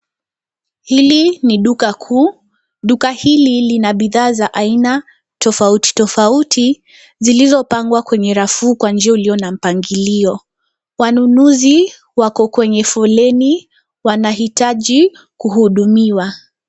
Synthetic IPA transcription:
hiliniɗukakʰuː | ɗukahililinaɓiðaːzaʔaina | tɔfauti̥tɔfautʰi | zilizɔpaŋɡwakwɛɲɛɾafuːkwand͡ʒiauliɔnam̩paŋɡiliɔ | wanunuzi | wakɔkwɛɲɛfɔlɛni | wanaɦitaʄi | kuhuɗumiwa

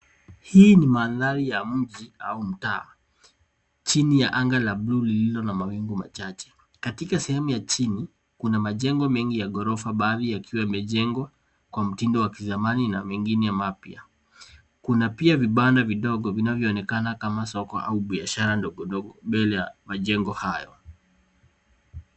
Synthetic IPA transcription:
hiːnimaːðaɾijam̩ʄia̰um̩taː | t͡ʃinijaʔaŋɡalablulililɔnamawiŋɡuma̰t͡ʃat͡ʃɛ̥ | katikasɛhɛmujat͡ʃini | kunamaʄɛŋɡɔmɛŋɡijaɠɔɾɔfaɓaːðijakʰiwaimɛʄɛŋɡwa | kwam̩tindɔwakizamaninawɛŋɡinɛjamapia | kunapiaviɓandaviɗɔɠɔvinavjɔːnɛkanakamasɔkɔ̰ʔa̰uɓiaʃaɾandɔɡɔndɔɡɔbɛlɛjamaʄɛŋɡɔhajɔ

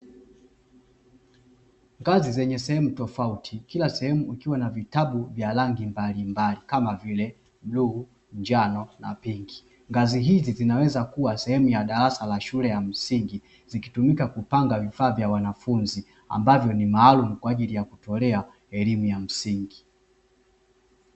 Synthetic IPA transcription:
ŋɡazizɛɲɛsɛhɛmutɔfautʰikilasɛhɛmuikiwanavitaɓuvjalaŋɡimbalimbalikamavilɛ | m̩luhu | ɲd͡ʒanɔna̰piŋɡi | ŋɡaziɦizizinawɛzakuwasɛhɛmujaɗaɾasalaʃulɛjam̩siŋɡi | ziki̥tumikakupaŋɡavifaːvjawanafunzi | a̰mbavjɔnimaːlumukwaːʄilijakutɔlɛa | ɛlimujam̩siŋɡi

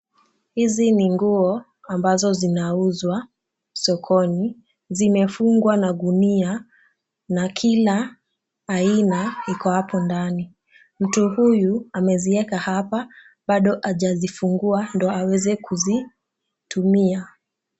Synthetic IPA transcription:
hiziniŋɡuɔ | ambazɔzinauzwa | sɔkʰɔni | zimɛfuŋɡwanaɡunia | nakʰilaː | inaikɔhapɔndani | m̩tuhujuamɛziɛkahapa | ɓaɗɔʔaʄazifuŋɡuandɔawɛzɛkuzi | tumia

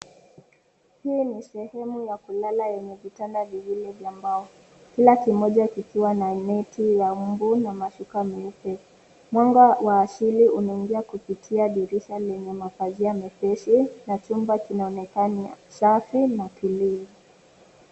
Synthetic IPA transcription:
hiːnisɛhɛmujakulalajɛɲɛvitandaviwilɛvjambaɔ | kilakimɔʄakikiwananɛtʰijaumbunamaʃukamiupɛ | mwaŋɡawaːsiliunaiŋɡiakupitʰiaɗiɾiʃalɛɲɛmakaziamɛpɛʃinat͡ʃumbakinaɔnɛkanisafinapʰilii

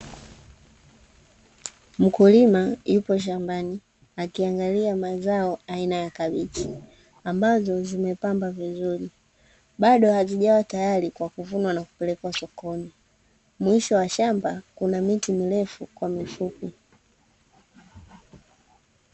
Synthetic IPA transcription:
m̩kulimajupɔʃ̬ambani | akiaŋɡaliamazaɔainajakaɓiti | ambazɔzimɛpambavizuli | ɓaɗɔhaziʄawatajalikwakuvunwanaku̥pɛlɛkwasɔkɔni | mwiʃɔwaʃambakunamitimilɛfukwamifupi

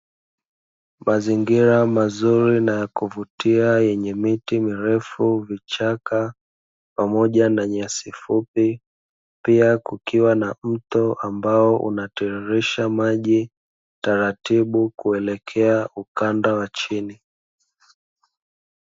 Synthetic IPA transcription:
maziŋɡiɾamazuɾinajakuvutiajɛɲɛmitimiɾɛfuvit͡ʃaka | pamɔʄanaɲasifupi | piakukiwanam̩tɔʔambaɔʔṵnatɛɛɾiʃamaʄi | taɾatiɓukuɛlɛkʰɛaukandawat͡ʃini

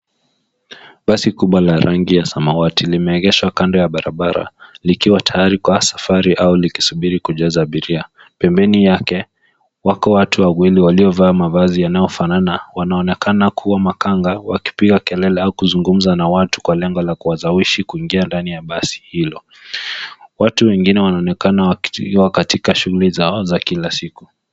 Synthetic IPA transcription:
ɓasikuɓwalaɾaŋɡijasamawatilimɛɛɣɛʃwakandɔjaɓaɾa̰ɓaɾa̰likiwatʰajaɾikwasḁfaɾiʔauliki̥suɓiɾikuʄazaːɓiɾia | pɛmbɛnijakɛ | wakɔwatʰuwawiliwaliɔvaːmavazijanajɔfananawanaɔnɛkanakʰuwamakaŋɡawaki̥piɣakɛlɛlɛaukuzuŋɡum̩zanawatu̥kwalɛŋɡɔlakuwazawiʃikuiŋɡiandanijaɓasi̥hilɔ | watuwɛŋɡinɛwanaɔnɛkanawwakatikaʃuɣulizaɔzakilasiku

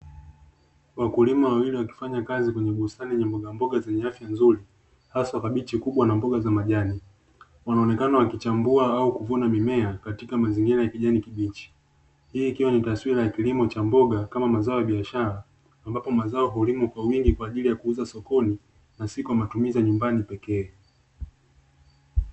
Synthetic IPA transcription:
wakulimawawiliwaki̥faɲakazikwɛɲɛɓusaniɛɲɛmbɔɠambɔɠazɛɲɛafjanzuɾi | hasakaɓit͡ʃikuɓwanambɔɠazamaʄani | wanaɔnɛkanawakit͡ʃambuaaukuvunamimɛakatikamaziŋɡiɾajakiʄanikiɓit͡ʃi̥ | hiːkiwanitaswiɾajakilimɔt͡ʃambɔɠakamamazaɔjaɓiaʃaɾaː | mbapɔmazaɔɦɔlimukwawiŋɡikwaːʄilijakuuzasɔkɔni | nasikujamatumizaɲumbanipɛkɛː

